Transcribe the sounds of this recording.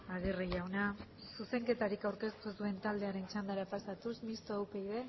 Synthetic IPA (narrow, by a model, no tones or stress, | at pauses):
aɣ̞irijawna | suse̞ŋke̞t̪aɾikawɾke̞st̪usue̞nt̪ald̪e̞aɾe̞nt͡ʃand̪aɾapasat̪usmist̪oawpe̞iðe̞